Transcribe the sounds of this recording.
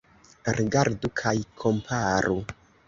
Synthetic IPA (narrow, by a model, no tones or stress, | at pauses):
ɾiɡaɾdukʰajkʰo̞mpʰaɾu